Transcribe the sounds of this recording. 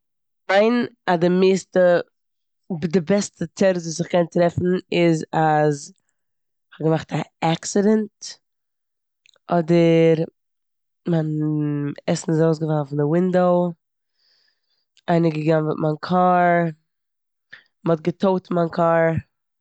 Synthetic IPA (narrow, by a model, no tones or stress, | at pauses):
maɪnadɪmeːstə | dɪbɛstətɛɾzvuːs̬ɪχkɛntɾɛfn̩ɪzaz | χɔɡəmaχtaaksɪdɛnt | ʔɔdəɾ | man | ɛsn̩ɪsoʊs̬ɡəvafɪn̩dɪwɪndoʊ | aɪnəɡəɡanvɪtmankʰaːɾ | mɔt̚ɡətʰoʊtmankʰaːɾ